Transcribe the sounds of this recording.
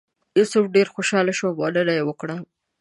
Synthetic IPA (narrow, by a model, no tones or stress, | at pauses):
isop̚ɖeɾxoʃɑlaʃoawɑdəɾajewəkɽa